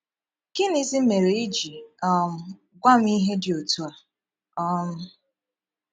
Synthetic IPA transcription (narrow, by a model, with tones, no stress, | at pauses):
kɪ˦ni˦zi˦me˨ɾe˨i˦d͡ʒi˨ɔ˦m̩˦ | ɡʷa˦m̩˦i˦ɦe˦dɪ˨o˨tu˦a˨ | ɔ˦m̩˦